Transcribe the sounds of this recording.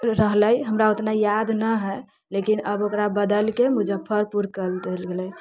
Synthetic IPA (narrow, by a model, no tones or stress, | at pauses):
ɾəɦləjɦəmɾaot̪najad̪nəɦɛ | lekinəbokɾabəd̪əlkemud͡ʒəpʰːəɾpuɾkəld̪elɡelɛ